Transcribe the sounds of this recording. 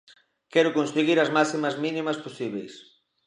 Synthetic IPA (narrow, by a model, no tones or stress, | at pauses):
kɛɾʊkonseɣiɾɐzmasimɐzminĩmɐsposiβ̞ejs